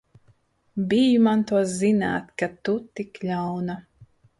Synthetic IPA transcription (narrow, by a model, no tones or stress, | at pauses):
bijumant̪uɔzina̰ːt̪ʲkat̪ut̪iklʲawna